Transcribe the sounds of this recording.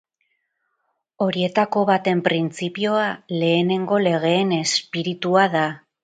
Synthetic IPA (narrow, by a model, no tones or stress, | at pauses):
o̞ɾie̞t̪ako̞βat̪e̞mpɾint͡sipio̞ale̞ːne̞ŋɡo̞le̞ɣ̞e̞ːne̞spiɾit̪uaða